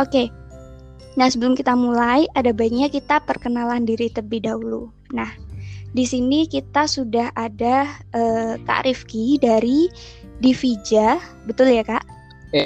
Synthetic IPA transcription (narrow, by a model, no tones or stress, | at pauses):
ʔoke | nasəbəlʊmkit̪amulajʔadabaik̚ɲakit̪apərkənalandiɾit̪əbihdaulu | nahdisinikit̪asudahadaəka̰ɾʔifkidaɾi | difid͡ʒa | bət̪ʊljakaʔ